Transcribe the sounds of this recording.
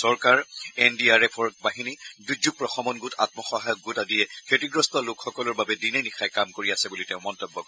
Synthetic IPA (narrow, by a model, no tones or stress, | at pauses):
sɔɹkaɹɛndiaɹɛpʰɔɹkbaɦinidud͡ʒuk̚pɹɔxɔmɔnɡuta̰t̚mɔxɔɦajɔk̚ɡutadijɛkʰetiɡɹɔstɔlokxɔkɔlɔɹbabɛdinenixajkamkoɹiasɛbuliteʊ̃mɔntɔbːɔkɔɛ